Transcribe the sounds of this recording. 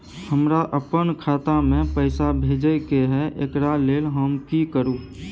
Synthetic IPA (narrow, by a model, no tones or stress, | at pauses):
həmɾaʔəpənkʰaːt̪amẽpəɪsabʱeːd͡ʒəkeɦɛʔḛkɾaleːlɦəmkikəɾuː